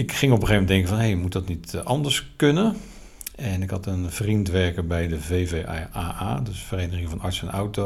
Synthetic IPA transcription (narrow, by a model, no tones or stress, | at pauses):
ɪkχɪŋɔpəχejmɛndɛŋkəvɑnɦejmutdɑtnitɑndəɹskønə | ɛnɪkɦɑtənv̥rintʋɛɹkəɹbɛjdəvejveaːʔaːdøsfərejnəχɪŋəvɑnɑɹsənawto